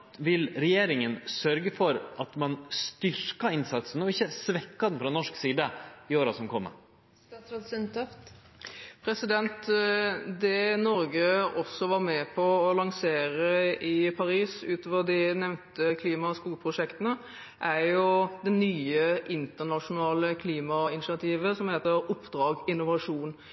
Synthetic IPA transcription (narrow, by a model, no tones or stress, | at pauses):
ʋɪlɾɛjeːɾɪŋənsœɾɡəfɔɾʔɑt̪mɑnst̪ʏɾkɑɪnsɑt̪sənɔɪçːəsʋɛkːɑd̪ɛnfɾɑnɔʂksiːd̪əɪoːɾɑsɔmkʰɔmːə̰ | ɑsɾɑt̪snt̪ɔft̪ | pʰɾɛsɪd̪ɛnt̪ | d̪ɛnɔɾɡəɔsːɔʋɑɾmɛpʰɔɔlɑŋseːɾəɪpʰɑɾiːsʉːt̪oːʋəd̪ɪnɛʋnt̪əkʰliːmɑskuːkpʰʁʊʂɛkt̪ənə | ʔæɾjʊd̪ɛnyːəʔɪnt̪ənɑʂʊnɑːləkʰliːmɑɪnɪsɪɑt̪ʰiːʋəsɔmheːt̪əɾʊpːd̪ɾɑːɡɪnːʊʋɑʂuːn